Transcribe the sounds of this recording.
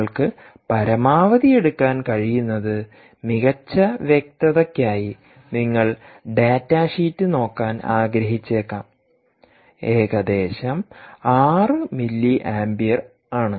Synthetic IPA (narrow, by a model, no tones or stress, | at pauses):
ɭkɨ | pɐɾɐmaːʋɐðije̞ɽukːaːnkɐɻijunːɐðɨ | miɣɐt͡ɕːɐʋjek̚t̪ɐðɐkːaːji | niŋːɐɭɖeːtːaʂiːtːɨno̞ːkːaːna̰ːɡɾɐɦit͡ɕːeːkːaːm | e̞ːɣɐd̪e̞ːɕɐmaːrɨmilːiʔaːmbijɐr | aːɳɨ